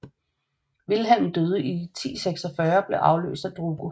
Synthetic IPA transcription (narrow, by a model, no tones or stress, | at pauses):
ʋilɦænn̩d̥øːð̞ˠəʔit͡sʰḭːseɡ̥sɒfɶːɐb̥le̝ʔɑ̈ʊlø̰ːsd̥æd̥ʁuːɡ̥o